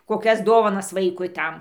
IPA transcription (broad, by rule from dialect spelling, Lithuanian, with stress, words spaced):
koːˈkʲɛs ˈdoːʋɐnɐs ˈʋɐɪkʊɪ ˈtɐm